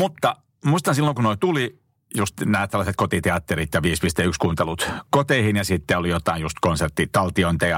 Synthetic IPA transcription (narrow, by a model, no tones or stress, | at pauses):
mut̪ːɑ | muist̪ɑnsilːoŋkunoit̪uli | just̪næːt̪selːˑɑset̪̚kot̪it̪eɑt̪ːeɾit̪jɑʋiːspist̪eykskuːnt̪elut̪kot̪eihinjɑsit̪ːeolijot̪ɑinjust̪konsert̪ːit̪ɑlt̪ioint̪ɑjɑ